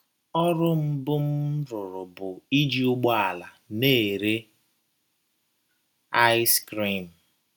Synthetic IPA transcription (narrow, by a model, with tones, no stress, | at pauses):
ɔ˦ɾʊ˦m̩˦bʊ˦m̩˦ɾʊ˨ɾʊ˨bʊ˨i˦d͡ʒi˦ʊ˦ɡ͡bɔ˦a˨la˨ne˦˨ɾe˦ | a˦skɾi˦˨m̩˨